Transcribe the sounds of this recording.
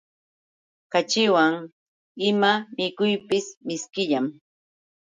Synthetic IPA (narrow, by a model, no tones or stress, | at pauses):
kat͡ʃɪwaŋ | ɪmamɪkʊjpɪsmɪskɪʎam